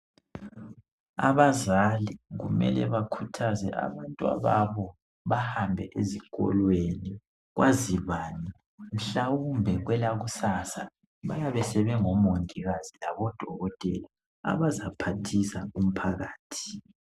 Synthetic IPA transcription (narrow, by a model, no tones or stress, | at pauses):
a̰βazaliɣṵmɛ̰lɛ̰βakʰutʰazɛ̰ʔa̰βantʼwa̰βaβɔ | βahambʱɛʔeziɣ̥ʱʼɔ̰lweni | ɣwʔaziβaːni | m̩ɬawumbʱɛɣwɛlaɣusaːsa | βa̰jaβɛsɛβɛŋɔmoŋtʼiɣazilaβɔd̥ʱɔɣɔtʼɛla | a̰βazapʰatʰisaum̩pʰaɣaːtʰi̥